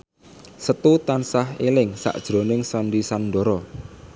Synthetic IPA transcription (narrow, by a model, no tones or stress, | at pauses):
sət̪ut̪ansaɦelɪŋsa̰ʔd̥ʒ̥ɾonɪŋsanɖisanɖ̪ɔ̤ɾɔ